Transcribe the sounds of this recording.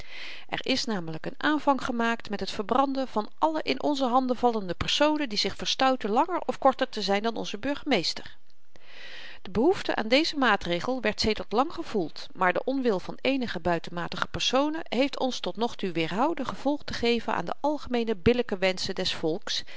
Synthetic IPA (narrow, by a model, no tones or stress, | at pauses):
ʔɛ̰ɹʔɪsnaːmələkənaːnvɑŋχəmaːktmɛtɦətfəɹbrɑndəv̥ɑnʔɑləʔɪnʔɔnzəɦɑndəvɑləndəpɛɹsownəndizɪχfəɹstœwtəlɑŋəɹɔfkɔɹtəɹtəzɛjndɑnɔ̰nzəbɵɹχəmejstəɹ | d̥əbəɦuftəʔa̰ːndejzəmaːtrejχəlˠʋɛɹtsejdəɹtlɑŋχəv̥ulˠt | maːɹdəʔɔnʋɪlˠvɑnejnəχəbœɥtənmaːtəχə̥pɛɹsownəɦejftɔ̰nstɔtnɔχtuʋɪːɹɦɑwdəχəv̥ɔlˠχtəχejvənʔa̰ːndə̰ʔɑlˠχəmejnəbɪləkəʋɛnsədɛsfɔlˠks